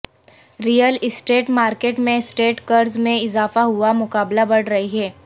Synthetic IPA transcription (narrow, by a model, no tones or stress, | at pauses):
ɾijəlɪsʈeːʈmaːɾkeːʈmẽsʈeːʈkɐɾzmẽɪzaːfaɦʊamʊkaːblabɐɽ̤ɾɐɦiɦɛː